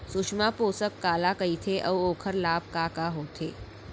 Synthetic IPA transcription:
sʊʂmapoːsəkːaːlakəit̪ʰeʔɐwoːkʰəɾlaːb̚kakaɦoːt̪ʰeː

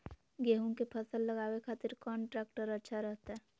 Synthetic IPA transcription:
ɡeːɦõkepʰəsəlːəɡaːwekʰaːt̪ɪɾkɔːɳʈɾɛːkʈəɾətːʃʰaɾəɦt̪aɦɛː

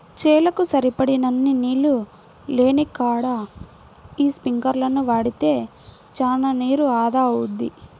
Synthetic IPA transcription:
t͡ʃɛːlɐkusɐɾipɐɽinɐnːiniːlu | le̞ːnikaːɽa | iːspiŋkɐɾlɐnuʋaːɽit̪e̞ː | t͡ʃaːnaniːɾuaːd̪aːɐud̪ːi

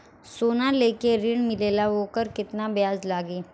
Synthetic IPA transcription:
soːnaleːkeɾɪɳmɪleːlaʋoːkəɾkɪt̪nabjaːzlaːɡeː

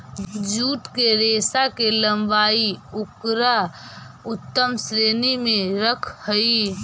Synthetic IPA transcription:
d͡ʒuːʈ̪keɾesakeləmbaːiʊkɾa | ʊt̪ːəmsɾeːnimẽɾəkʰhəi

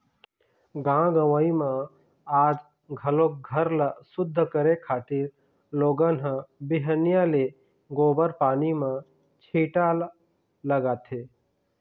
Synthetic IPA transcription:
ɡãːɡəwaimã | aːd͡ʒ | ɡʱəlok̚ɡʱəɾlasʊd̪ʱːəkəɾekʰaːt̪ɪɾ | loːɡənɦə̃bɪɦənjale | ɡoːbəɾpaːnimã | t͡ʃʰiːʈa | ləɡaːt̪ʰeː

